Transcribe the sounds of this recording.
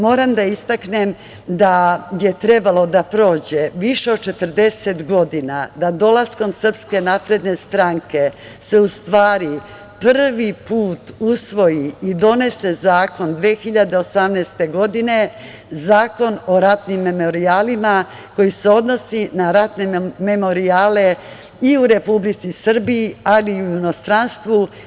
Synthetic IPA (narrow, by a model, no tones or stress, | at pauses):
mo̞ːɾamd̪aist̪aknem | d̪aje̞t̪ɾe̞balo̞d̪apɾo̞ːd͡ʑeʋiʃe̞od̪̚t͡ʃe̞t̪ər̩d̪e̞se̞t̪ɡo̞d̪inad̪ad̪o̞lasko̞msər̩pske̞naːpɾe̞d̪ne̞st̪ɾaŋke̞ | se̞ust̪ʋaːɾi | pr̩ʋipuːt̪usʋo̞jiid̪o̞ne̞se̞zaːko̞nd̪ʋeːxiʎad̪e̞osamnɛːst̪e̞ɡo̞d̪ine̞ | zaːko̞no̞ɾat̪nimːemo̞ɾiaːlima | ko̞jise̞o̞d̪no̞sinaɾat̪ne̞me̞mo̞ɾiaːle̞ | iuɾe̞publit̪sisr̩biːaliujuno̞st̪ɾanst̪ʋu